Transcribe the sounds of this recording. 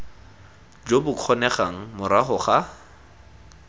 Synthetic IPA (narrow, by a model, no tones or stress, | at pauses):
d͡ʒobʊkʰɔnɛχaŋ̩mʊɾaχʊχa